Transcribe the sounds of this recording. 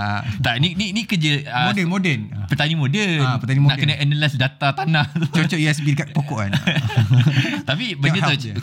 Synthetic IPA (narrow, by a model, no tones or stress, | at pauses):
t̪anininikəd͡ʒəəmdɛmodɛnpət̪anĩmodɛpət̪aninãʔkənãʔənəlɛsdat̪at̪anãht̪ut͡ʃot͡ʃɔʔiɛsbidəkat̪̚pokɔʔkan | t̪apibədət̪o